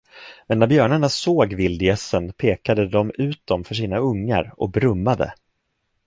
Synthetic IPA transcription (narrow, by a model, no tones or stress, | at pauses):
mɛnːæɾbjœːɳaɳasoːɡvɪld̪ɪɛsənpʰeːkad̪əd̪ɔmʉ̟ːt̪̚d̪ɔmfœʂiːnaɵŋːa̰ɾɔ̰k̚bɾɵmːad̪ə̰